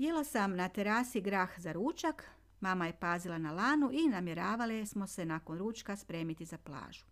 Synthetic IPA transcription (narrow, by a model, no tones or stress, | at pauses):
jelasamnat̪eɾaːsiɡɾaːxzaɾuːt͡ʃak | maːmaje̞paːzilˠanalaːnuʔinamje̞ɾaːʋalismo̞se̞nako̞nɾuːt͡ʃkaspɾe̞ːmit̪izaplˠa̰ːʒ̥u̥